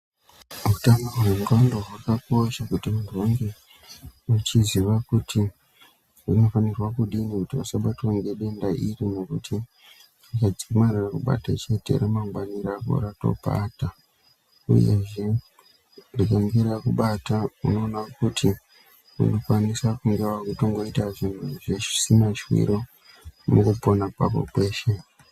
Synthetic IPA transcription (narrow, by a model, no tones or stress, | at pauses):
muutamaɦuneŋɡandoɦakako̞ʃakutimuntʰuwaŋɡe̞ | ut͡ʃiziʋakutʰi | rino̞fanirwakuɗinikutiasaɓatwaŋɡe̞ɗe̞ndaʔirine̞kutʰi | rikad͡zimarirakuɓa̰ta̰t͡ʃe̞te̞̰ɾemaŋɡwaniɾako̰ɾato̞̰pa̰ːta | ṵje̞̰ʐe̞ | rikaŋɡeɾakuɓataṵno̞ːnakutʰi | ṵnokwanisakuŋɡewakutoŋɡwaitaʐin̤uʐeʐisinat͡ʃiwḭɾo | mukupo̞napa̰ko̰kwe̞ːʃe̞